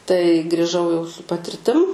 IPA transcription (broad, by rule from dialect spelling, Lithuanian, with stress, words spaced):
tɐɪ ɡrʲiːˈʒɐʊ jɛʊ sʊ pɐtʲɪrʲˈtʲɪm